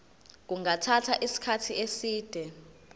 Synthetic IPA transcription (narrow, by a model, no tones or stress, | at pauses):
k̬uŋatʰatʰaʔisi̥kʰatʰiesiːd̥ʱɛ